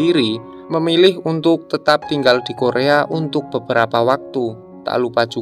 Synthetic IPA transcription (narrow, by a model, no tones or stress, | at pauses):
iɾi | məmilɪhunt̪ʊk̚t̪ət̪ap̚t̪iŋɡald̪̥i̤koɾeaʔunt̪ʊk̚b̥ə̤b̥əɾapawak̚t̪u | t̪a̰lupad̥ʒ̥u